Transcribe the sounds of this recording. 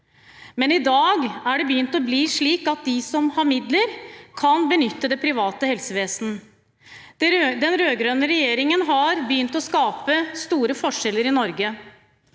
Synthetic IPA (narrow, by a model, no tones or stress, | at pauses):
mɛnɪd̪ɑːɡæɖɛbəjʏnt̪ɔbliːʂɭiːkɑt̪̚d̪ɪsɔmhɑɾmɪd̪ləɾkʰɑnbənʏt̪ːəd̪ɛpʰɾɪʋɑːt̪əhɛlsəʋeːsnə | d̪ɛnɾøːɡɾøːnəɾɛjeːɾɪŋənɦɑɾbəjʏnt̪ɔskɑːpəst̪uːɾəfɔʂɛlːəɾɪnɔɾɡə